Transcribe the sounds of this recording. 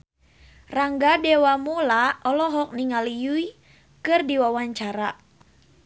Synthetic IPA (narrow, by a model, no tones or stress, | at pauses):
raŋɡadewamulaɔlɔɦɔk̚niŋalijui | kɨrdiwawaɲt͡ʃaɾa